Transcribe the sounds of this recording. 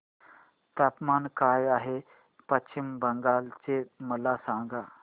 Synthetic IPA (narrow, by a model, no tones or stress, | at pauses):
t̪apmankajaɦe | pəɕimbəŋɡalt͡seməlasãŋɡa